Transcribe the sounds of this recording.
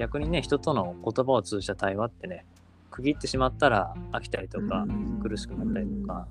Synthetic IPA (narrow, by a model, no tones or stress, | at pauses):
ɡʲakɯ̟ɲ̟ine̞çi̥t̪o̞t̪o̞no̞ko̞t̪o̞bao̞t͡sɨːʑi̥t̪at̪aiβat̪ːe̞ne̞ | kɯ̟ɡʲit̪ːe̞ɕimat̪ːaɾaːkʲi̥t̪aɾʲit̪o̞kakɯ̟ɾɯ̟ɕi̥kɯ̟nat̪ːaɾʲit̪o̞ka